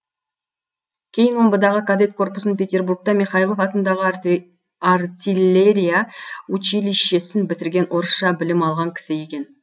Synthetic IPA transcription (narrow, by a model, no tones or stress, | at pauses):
kʲʰe̞jɪnwo̞mbəd̪ɑʁəkʰad̪et̪̚kʰo̞rpʊ̥snənpʲe̞t̪ʲe̞rburk̚t̪ɑmʲiχɑjilˠofɑt̪ənd̪ɑʁə | art̪ʲilʲe̞ɾʲijaut͡ʃiliʃe̞sɪnbɪt̪ɪɾɡʲe̞nʔoɾʃɑbɪlɪmɑlˠʁɑŋkʲʰɪ̥sɪje̞kʲe̞n